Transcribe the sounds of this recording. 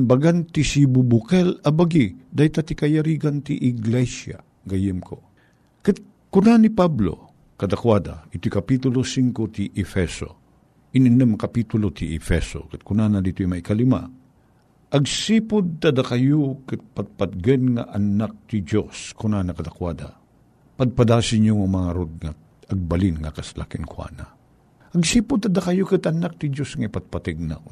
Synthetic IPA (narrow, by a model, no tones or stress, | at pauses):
nbaɡant̪isibubʊkɛlɐbaɡid̪ajt̪at̪ikɐjaɾiɡant̪iʔɪɡlɛsa̰ | ɡɐjɪmkʰo̰ | kɨt̪̚ | kʊnanipablo̰ | kɐd̪akwad̪aɪt̪ojkɐpit̪ʊlosiŋkot̪iʔɛfɛso̰ | ʔɪnɪnəmkɐpit̪ʊlot̪ʰiʔɛfɛso̰kɨt̪̚kʊnanɐd̪it̪ojmaikalima̰ | ʔɐɡsipʊd̪̚t̪ɐd̪akɐjokɨt̪̚pɐt̪̚pɐt̪̚ɡɐnŋa̰ʔɐnak̚t̪id͡ʒoskʊnanɐkɐd̪akwad̪ɐ | pɐd̪̚pɐd̪aːsɪɲoŋɐmɐŋaɾod̪̚ŋa | ɐɡ̚bɐlinŋɐkɐslakɪnkwa̰na | ʔɐɡsiːpʊd̪̚t̪ɐd̪ɐkɐjokɨt̪ʔɐnak̚t̪ɪd͡ʒosŋɐipɐt̪̚pɐt̪ɛɡ̚na̰